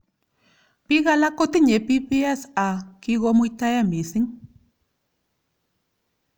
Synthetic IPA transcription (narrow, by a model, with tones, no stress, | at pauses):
pi˦ɣa˦la˦ko˦t̪i˦ɲe˨pi˦pi˦ɛ˦sa˨ki˦ɣɔ˦mu˦jt̪a˦ja˦mi˨sɪ˦ŋ